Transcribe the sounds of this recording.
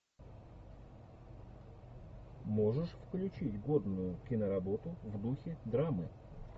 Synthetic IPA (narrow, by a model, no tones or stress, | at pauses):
mo̞ʐɨʂfklʲʉt͡ɕitʲɡod̪nʊjʊkʲɪnəɾɐbot̪ʊvd̪uxʲɪd̪ɾamɨ